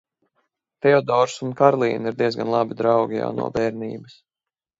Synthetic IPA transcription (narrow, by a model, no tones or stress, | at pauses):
t̪ɛɔd̪ɔɾsunkaɾlˠḭːniɾd̪iɛzɡanlˠɑbid̪ɾawɡʲija̰wnṵɔbɛːɾniːbɐs